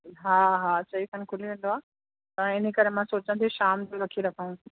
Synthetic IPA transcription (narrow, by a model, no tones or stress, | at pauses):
ɦaːɦaːt͡ɕɐikʰɐnkʰʊliʋẽːnd̪oaː | t̪ɐɪnikɐɾemãsoːt͡ɕãt̪ʰiʃaːmd͡ʑoɾɐkʰiɾɐkʰaũ